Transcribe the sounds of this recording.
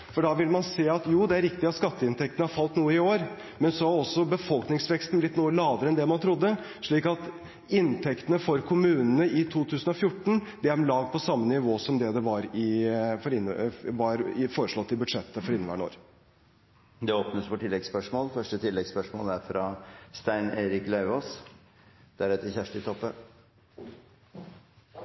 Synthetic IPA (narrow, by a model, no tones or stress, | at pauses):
fɔɖɑʋɪlmɑnseːɑt̪juːd̪ɛæɾɪkt̪ɪɑt̪skɑt̪ːəɪnt̪ʰɛk̚t̪nəhɑɾfɑlt̪nuːəɪoːɾ | mɛnsɔɑɾɔsːɔbəfɔlknɪŋsʋɛkst̪n̩blɪt̪nuːəlɑːʋəɾəɛnd̪ɛmɑnt̪ʰɾʊd̪ːə | ʂɭiːkɑt̪ | ɪnt̪ʰɛkt̪ənəfɔɾkʰʊmʉːnənəɪt̪ʰuːt̪ʰʉːsənɔfjʊʈːɳ̩d̪ɛæɾmlɑːɡ̪pɔsɑmːənɪʋoːsɔmd̪ɛd̪ɛʋɑɾɪfɔɾɪnːʋɑɾɪfoːɾəʂɭɔt̪ːɪbʉd̪ʂɛt̪ːəfɔɾɪnːəʋæ̰ːɳo̰ːɾ | d̪ɛoːpnəsʋɔʈʰɪlːɛɡspœʂmoːlfœʂʈət̪ʰɪlːɛɡspœʂmo̰ːlæɾfɾɑst̪æɪneːɾɪklɑʉoːs | d̪̥æɾɛt̪ːəçæʂʈɪt̪ʰɔpːə